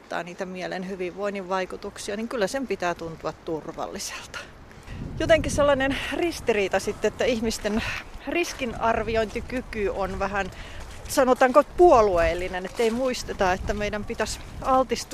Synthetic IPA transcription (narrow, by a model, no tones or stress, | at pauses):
t̪ːɑ̰ːniːt̪æmielḛnhyʋiʋʋoiniʋʋɑikut̪uksiɑniŋkylːæsempit̪æːt̪unt̪uɑt̪t̪urʋɑ̰lːise̥lt̪ɑ̥ | jot̪eŋkiselːɑnenrist̪iriːt̪ɑsit̪ːeet̪ːæihmist̪enriskinɑrʋioint̪ikykyonʋæhæn | sɑnot̪ɑːŋkopuolueːlːinenet̪ːeimuist̪et̪ɑet̪ːæmeidæmpit̪æs | ɑlt̪ist̪